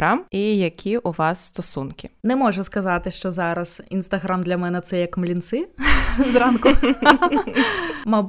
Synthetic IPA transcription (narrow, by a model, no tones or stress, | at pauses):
ɾamijɐkʲʰiʔuʋɑsːt̪ɔsunkʲɪnɛmɔʐʊskɐzɑt̪ɪʃt͡ʃɔzɑɾɐsḭnst̪ɐɦɾamd̪lʲɐmɛnɛt̪sɛjɐkmlʲint̪sɪzɾɑnkʊ | mɐb